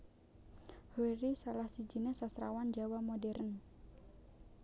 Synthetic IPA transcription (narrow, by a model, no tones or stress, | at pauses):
hoɾisalahsid͡ʒinesasɾawand͡ʒawamɔdɛɾən